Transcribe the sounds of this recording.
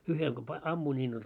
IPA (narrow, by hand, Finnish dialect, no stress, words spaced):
uhel ko pɑ ɑmːuin nʲiːn olʲ